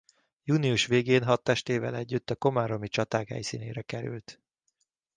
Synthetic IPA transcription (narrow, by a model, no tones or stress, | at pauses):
juːniuʃʋeːɡeːnɦɒt̪ːɛʃt̪eːvɛ̰lɛɟːyt̪ːɒko̞maɾo̞mit͡ʃɒt̪aːkhɛ̰jsḭːnḛːɾɛkɛɾy̰lt̪